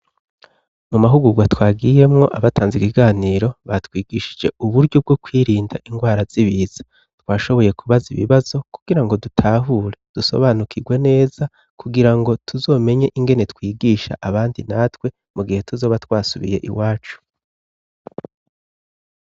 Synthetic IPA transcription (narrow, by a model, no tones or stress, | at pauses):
mumaɦuɡuɡwatwaːɡije̞mŋo̞ʔaβatʰaːnzikiɡaːniːɾo̞βatwiːɡ̥iːʃi̥d͡ʒe̞ʔuβuɾɟob̚ɡo̞kwiːɾiːnda̰ʔiŋɡwaːɾaz̥iβiːz̥ḁ | twaːʃo̞βo̞je̞kʰuβaziβḭβazo̞kuɡ̥iɾaŋɡo̞dutʰaːɦuɾe̞d̥uso̞̰βaːnukʰiɡwe̞ne̞ːz̥a | kʰuɡiɾaŋɡo̞tʰuzo̞ːmeɲe̞ʔiŋɡe̞ne̞tkwiːɡiːʃa̰ʔaβaːndinatwe̞ | muɡihe̞tuzo̞ːβatwaːsuβḭje̞̰ʔḭwaːt͡ʃu̥